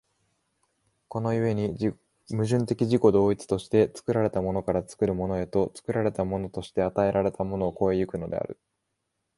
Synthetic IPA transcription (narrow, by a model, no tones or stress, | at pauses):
ko̞no̞ɯβe̞ɲ̟i | mɯ̟ʑɨ̃nt̪e̞kʲiʑiko̞d̪o̞ːit͡sɨ̥t̪o̞ɕi̥t̪e̞t͡sɨ̥kɯ̟ɾaɾe̞t̪amo̞no̞kaɾat͡sɨ̥kɯ̟ɾɯ̟mo̞no̞e̞t̪o̞t͡sɨ̥kɯ̟ɾaɾe̞t̪amo̞no̞t̪o̞ɕi̥t̪e̞at̪ae̞ɾaɾe̞t̪amo̞no̞ːko̞ejɯkɯ̟no̞d̪e̞̰a̰ɾɯ̟̰